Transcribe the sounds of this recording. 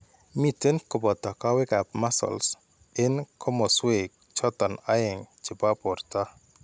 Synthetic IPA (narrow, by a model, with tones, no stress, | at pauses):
mi˨te˦nkɔ˨bɔ˨tɔ˨ka˦wɪ˦ka˨p̚ma˦sɔ̰˨ls | ɪ˦nkʰɔ˦mɔ˨swe˨k̚t͡ʃɔ˦t̪ɔ˨na˦ɪ˨ŋt͡ʃɪ˨ba˦pɔ˨ɾta˦